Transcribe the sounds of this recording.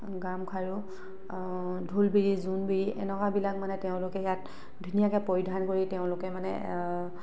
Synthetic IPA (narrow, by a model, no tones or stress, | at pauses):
ɡamkʰaɹu | dʱulbiɹizunbiɹiʔɛ̰nɔkabilak̚manɛteʊ̃lʊkɛjat | dʱunijakɛpoɹidʱankoɹiteʊ̃lʊkɛmanɛ̰